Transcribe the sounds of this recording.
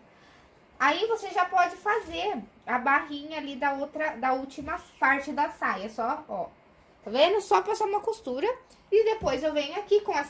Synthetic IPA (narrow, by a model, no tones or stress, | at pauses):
aivoseʒapɔd͡ʒɪfazeɾɐbaɦĩɲɐːlid̪ɐowt̪ɾɐd̪ɐut͡ʃimɐpaɾt͡ʃɪd̪ɐsajɐsɔɔ | vẽnʊsɔpɾɐsaũmɐkost̪uɾɐ | ɪd̪epojzewvẽɲʊakikõɛs